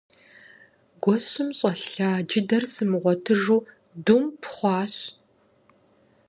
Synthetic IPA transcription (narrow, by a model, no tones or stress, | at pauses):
ɡʷɔɕʊmɕʼɐɬaːd͡ʒɪdɐrsɨmɨʁʷɔtʰɨʒuː | dumpʰχʷɑːɕ